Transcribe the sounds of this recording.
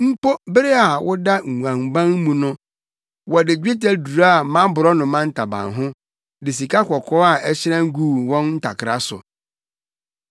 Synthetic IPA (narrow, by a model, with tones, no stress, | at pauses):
m̩˦po˦bɪ˦ɾɪ˦a˨wʊ˦da˦ŋ̩ʷ˨ã˨mbã˦ŋ˦mũ˨nʊ̃˦ | wɔ˨dɪ˨d͡ʑᶣe˦ta˦du˨ɾa˦a˨mã˦bʊ˨ɾɔ˦nʊ̃˨mã˦n̩˦tʰa˨bã̰˨nɦʊ̃˦ | dɪ˨s̬i˨ka˦kʰʷɔ˨kʰɔ˦a˨ʔɛ˦ɕɪ˦ɾã˦ŋ̩˦ɡuː˦˨wɔ̃˦nn̩˦tʰa̰˨kʰɪ˨ɾa˦sʊ̰˨